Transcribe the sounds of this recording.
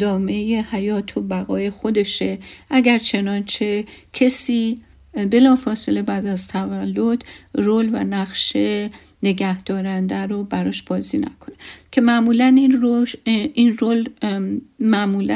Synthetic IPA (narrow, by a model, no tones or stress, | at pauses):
d̪ɒːme̞jehæjɒːt̪ʰobæɣɒːjexo̞d̪e̞ʃe̞ʔæɡæɾt͡ʃʰe̞nɒːnt͡ʃʰe̞cʰesiː | be̞lɒːfɒːse̞le̞bæd̪æzt̪ʰævælːod̪̥roːlvæ̰næχʃe | ne̞ɡæhd̪̥ɒːɾænd̪æɾobæɾɒːʃb̥ɒːziːnæ̰kʰo̞ne̞cʰe̞mæmuːlænioʔinrol | mæʔmuːlæ